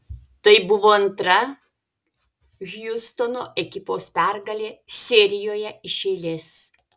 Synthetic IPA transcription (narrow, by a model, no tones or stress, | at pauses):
t̪ɐɪbʊʋoːɐnt̪ɾɐ | ɣʲjʊst̪onoːʔɛkʲɪpoːspʲæˑɾɡɐlʲeːsʲeːɾʲɪjoːjɛɪʃʲɛɪlʲeːs